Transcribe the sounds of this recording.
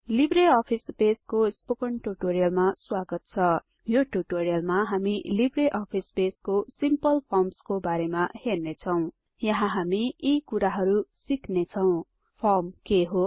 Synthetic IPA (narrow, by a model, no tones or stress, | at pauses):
libreʌpʰispeskospokʌɳʈuʈoɾijʌlmaswaɡʌt̪̚t͡sʰʌ | joʈuʈoɾijʌlmaɦamilibreʔʌpʰispeskosimpʌlpʰʌrmskobaɾemahernet͡sʰʌw̃ | jʌɦãɦamiikuɾaɦʌɾusiknet͡sʰʌw̃ | pʰʌrmkeɦo